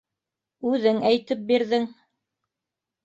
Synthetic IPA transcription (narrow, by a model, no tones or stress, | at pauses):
ʉðɘŋæjt̪ɘp̚biɾðɘŋ